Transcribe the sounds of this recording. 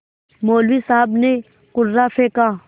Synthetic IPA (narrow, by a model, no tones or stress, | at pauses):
moːlwisaːbne | kʊɾzafeka